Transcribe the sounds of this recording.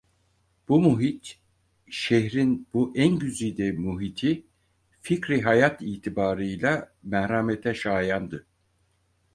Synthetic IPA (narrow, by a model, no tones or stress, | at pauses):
b̥umuɦit̪ | ʃeɦɾinbuʔænɟyzijd̪ɛmuɦit̪ʰi | ficɾiɦajat̪iːt̪ʰibaːɾɯjlʲˠamæhɾamet̪ʰɛʃaːjand̪ɯ